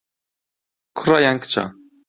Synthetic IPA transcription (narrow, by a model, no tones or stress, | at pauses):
kʰɾajaŋkt͡ɕa̰